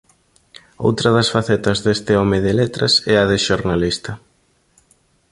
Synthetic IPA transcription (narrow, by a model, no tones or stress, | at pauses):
o̰wt̪ɾɐðɐsfaθɛt̪ɐzðest̪ɪɔmɪðɪlet̪ɾɐsɛɐðɪʃoɾnalist̪ɐ